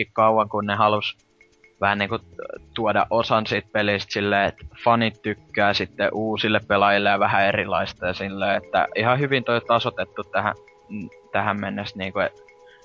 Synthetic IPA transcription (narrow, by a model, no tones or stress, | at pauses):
ikkɑuwɑŋkunnehɑlus | ʋæhænniːŋkut̪uodɑ̰ʔosɑnsiːt̪̚peliˑst̪silːeːet̪fɑnit̪t̪ykːæːsit̪ːḛʔuːsilːeppelɑjilːejɑʋæhæerilɑ̰ist̪ɑjɑsilːeːet̪ːæ̰ihɑhyʋint̪oit̪ɑsot̪et̪ːut̪t̪æhæ̰ | t̪æhæmmenːest̪niːŋkuet̪